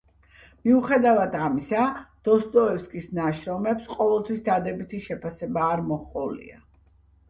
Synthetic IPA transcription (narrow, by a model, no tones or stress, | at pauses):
miuχɛd̪avad̪amisad̪̥ɔst̪ʼɔɛfskʼisnaʃɾɔmɛpsqʼɔvɛlˠt̪sʰwisd̪ad̪ɛbit̪ʰiʃɛpʰasɛbaːɾmɔχqʼɔlḭa̰